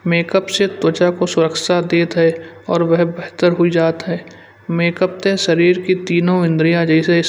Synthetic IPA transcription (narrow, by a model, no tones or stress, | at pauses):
meːkəpset̪wət͡ʃakosʊɾəkʰʃad̪eːt̪ɦɛ | ɔːɾwɛɦbɛɦt̪əɾɦʊid͡ʒaːt̪ɦɛː | meːkəp̚t̪eʃɐɾiːɾkit̪iːnõɪ̃nd̪ɾijãd͡ʒɛɪseɪ